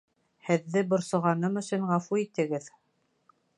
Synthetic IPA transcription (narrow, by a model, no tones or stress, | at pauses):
hɘ̆ðːɘbŏɾsŏʁɑnɤmɵ̆sɵɴʁɑfuit̪ɘ̆ɡɘð